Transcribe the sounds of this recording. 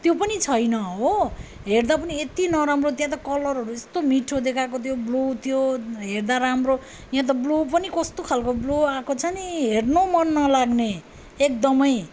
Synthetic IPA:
t̪jopʌnit͡sʰʌjnʌɦo | ɦerd̪apʌniet̪inʌɾamrot̪jãt̪̬ʌkʌlʌrɦʌɾuest̪omiʈʰod̪ekʰakot̪joblot̪joɦerd̪aɾamro | jãt̪̬ʌblop̬ʌnikʌst̪okʰalkobloakot͡sʰʌniɦernomʌnːʌlaɡne | ek̚d̪ʌmʌj

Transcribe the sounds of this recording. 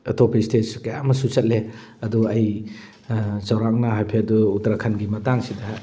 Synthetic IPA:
ɐtʰopʰistet̚skɐjamɐsut͡ʃɐt̚le | ɐduɐj | sɐwɾaŋ̚nɐɦajpʰeɐduːtɾɐkʰɐnɡimɐtaŋsidɐ

